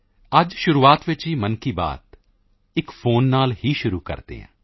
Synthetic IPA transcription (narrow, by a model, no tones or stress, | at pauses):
əd͡ʒʃʊɾuːaːt̪ʋɪt͡ʃɦiːmənkiːba̰ːt̪ | ɪkfʰoːnːaːlhiːʃʊɾuːkə̰ɾt̪ḛːɦɛ̰̃ː